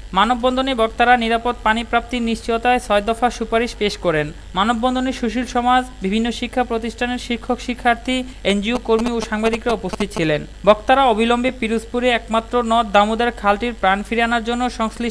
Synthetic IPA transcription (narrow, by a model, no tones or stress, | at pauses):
manobːɔnd̪ʱonebɔkt̪aɾaniɾapod̪̚panipɾap̚t̪iɾniʃt͡ɕiot̪aesɔed̪ɔfaʃupaɾiʃpeʃkɔɾen | manobːɔnd̪ʱoneʃuʃilʃɔmad͡ʑbibʱinːoʃikʰːapɾot̪iʃʈʰaneɾʃikʰːokʃikʰːaɾt̪ʰi | end͡ʑiukoɾmioʃaŋbad̪ikɾaupost̪ʰit̪̚ːt͡ɕʰilen | bɔkt̪aɾaobʱilɔmbepiɾuspuɾeɛkmat̪ːɾonɔd̪amud̪aɾkʰalʈiɾpɾanfiɾeanaɾd͡ʑonːoʃɔŋskli